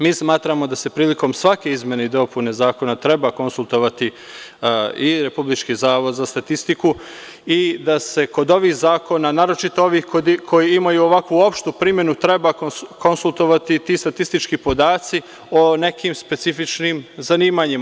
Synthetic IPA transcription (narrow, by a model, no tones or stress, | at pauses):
miːsmaːt̪ɾamo̞d̪ase̞pɾiːliko̞msʋake̞izmje̞neid̪o̞pune̞zaːko̞nat̪ɾe̞bako̞nsulˠt̪o̞ʋat̪i | iɾe̞publit͡ʃkiːzaːʋo̞d̪zast̪at̪ist̪iku | id̪ase̞ko̞d̪o̞ʋiːhzaːko̞nanaːɾo̞t͡ʃit̪ooʋiːhkod̪kʰo̞jiimajuo̞ʋakʋuo̞pʃt̪upɾimje̞nut̪ɾe̞bakko̞nsulˠt̪o̞ʋat̪it̪ist̪at̪ist̪it͡ʃkipo̞d̪aːt̪si | o̞ne̞kiːmspe̞t̪sifit͡ʃnimzaniːmaːɲima